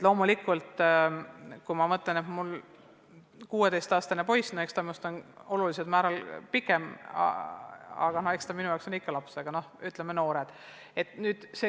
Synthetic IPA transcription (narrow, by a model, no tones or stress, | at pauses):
et̪lo̞ːmulikːˑult̪ | kujmɑmɤt̪lenet̪mul | kuːwe̞d̪e̞jst̪ɑːst̪ɑnepo̞jsnohekst̪ɑmust̪ono̞lulised̪mæːɾɑlpikːˑem̰ | ɑ̰ɡ̥ɑnohe̞kst̪ɑminujɑwksonikˑːɑlɑpseɡ̥ɑno̞hyt̪lemeno̞ːɾed̪̥ | e̞t̪nyːd̪̥se